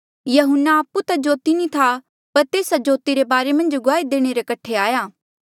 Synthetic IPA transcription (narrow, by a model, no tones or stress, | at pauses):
jɐɦʊnːaaːpːut̪ad͡ʒoːt̪inĩt̪ʰa | pɐɾt̪eːsad͡ʒoːt̪iɾebaːɾemɐ̃nd͡ʒɡʊaːid̪eːɽ̃eɾekɐʈʰeaːjaː